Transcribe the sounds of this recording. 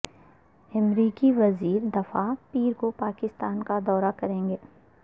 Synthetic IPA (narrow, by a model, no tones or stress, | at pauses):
ɐmɾiːkiʋɐziːɾd̪ɐfapiːɾkopaːkɪst̪aːnkad̪ɔːɾakɐɾẽːŋɡeː